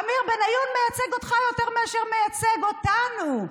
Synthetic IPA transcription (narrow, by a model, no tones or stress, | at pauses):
amiʁbenajunmejat͡seɡo̞t̪χajo̞teʁmiaʃeʁmejat͡seɡot̪anu